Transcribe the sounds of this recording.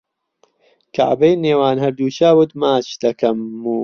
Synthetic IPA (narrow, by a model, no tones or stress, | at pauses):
ka̰ʕbɐjneːwaːnhɐɾd̪uːt͡ʃaːwut̪maːt͡ʃd̪ɐkɐmːuː